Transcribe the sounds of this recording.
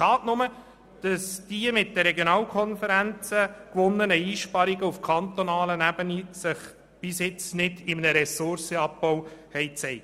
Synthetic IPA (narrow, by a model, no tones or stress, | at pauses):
ʃɑːtnʊmə | d̥ɑsd̥iəmɪt̚dəɾɛɡjonɑːlkʰɔnfəɾænt͡səkʋʊnːənəiːʃpɑɾiɡəufkʰɑnt̪onɑːlənæb̥ənisɪχ | b̥ɪsjɪt͡snɪdɪmənəɾɛsʊɾsəɑp̚bɔwhɛɪt͡sɛɪ